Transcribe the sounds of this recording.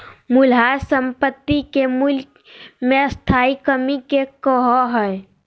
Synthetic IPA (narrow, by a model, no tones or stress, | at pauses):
mulɦaɾsəmpət̪ːikemul | meəst̪ʰaikəmikekəɦɔɦəe